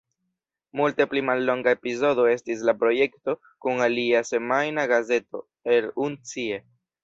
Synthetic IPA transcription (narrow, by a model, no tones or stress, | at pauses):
multe̞plimalːo̞ŋɡaepizo̞do̞e̞stis̬lapɾo̞je̞kto̞ | kuŋaliase̞majnaɡaze̞to̞̰ | e̞lunt͡sie̞